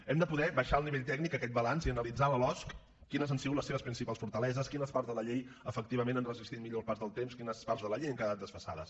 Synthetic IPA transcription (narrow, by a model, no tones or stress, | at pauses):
ɛmd̪əpuðɛβəʃaəlˠniβeʎt̪ɛɡnikəkɛt̪̚bəlanziənəlid͡zaləlɔskː | inəzənsiɣutləseβəspɾinsipalˠsfuɾt̪əlɛzəskinəspaɾzðələʎejəfək̚t̪iβəmẽnənrəzist̪it̪miʎospaɾzðəlˠt̪emskinəspaɾzðələʎejəŋkaðat̪əsfəsa̰ðə̰s